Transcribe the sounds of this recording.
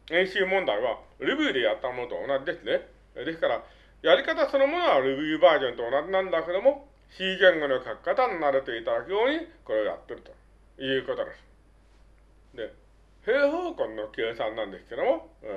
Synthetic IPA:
ẽ̞ɰ̃ɕɨːmõ̞nd̪aiβaɾɯbʲiːd̪e̞jat̪ːamo̞no̞t̪o̰onad͡ʑid̪e̞sɨne̞ | d̪e̞sɨ̥kaɾa | jaɾʲikat̪aso̞no̞mo̞noβaɾɯbʲiːbaːʑõ̞nt̪oːnad͡ʑinãnd̪ake̞d̪o̞mo̞ | ɕiːɡẽ̞ŋɡo̞no̞kakkːat̪anonaɾe̞t̪e̞it̪ad̪akɯjo̞ːɲ̟iko̞ɾe̞oja̰t̪ːe̞ɾɯ̟t̪o̞̥ | jɯ̟ːko̞t̪o̞d̪e̞sɨ̥ | d̪e̞ | he̞ːɦoːkõ̞nːo̞kʲeːsãnːãnd̪e̞sɨ̥ke̞d̪o̞mo̞

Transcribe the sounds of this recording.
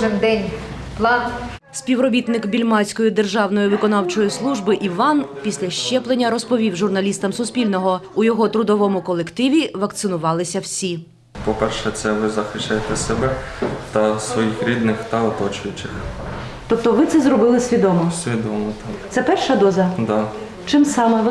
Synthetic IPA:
ʒɪmd̪ɛnʲplˠɑn | sʲpʲiwrɔbʲit̪nɪkbʲilʲmɑsʲkɔjid̪erʒɑwnɔjiʋɪkɔnɑwt͡ʃɔjislˠuʒbɪʔiʋɑnpʲisʲlʲɐʃt͡ʃɛplˠenʲːɐɾɔspɔʋʲiwʒʊrnɐlʲist̪ɐmsʊspʲilʲnɔɦɔujɔɦɔt̪ɾʊd̪ɔʋɔmʊkɔlˠekt̪ɪʋʲiʋɐkt̪sɪnʊʋɑlˠɪsʲɐwsʲi | pɔpɛrʃɛt̪sɛʋɪzɐxɪʃt͡ʃːajet̪ɛsebɛt̪ɐsʋɔjixɾʲid̪nɪxt̪ɐɔt̪ɔt͡ʃʊjʊt͡ʃɪxt̪ɔp̚t̪ɔʋɪt̪sɛzɾɔbɪlˠɪsʲʋʲid̪ɔmɔsʲʋʲid̪ɔmɔt̪ɑkt̪sɛpɛrʃɐd̪ɔzɐd̪ɑ | t͡ʃɪmsɑmɛ

